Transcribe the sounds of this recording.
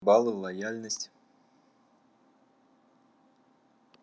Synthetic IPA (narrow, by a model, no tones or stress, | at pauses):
bɑlˠɨlˠɐjalʲnəsʲtʲ